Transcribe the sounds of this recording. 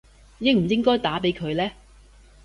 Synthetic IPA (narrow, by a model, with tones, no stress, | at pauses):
jɪ˥ŋm̩˨˩jɪ˥ŋkɔː˥jt̪aː˨˥pe˨˥jkʰɵ˨˧ɥlɛː˥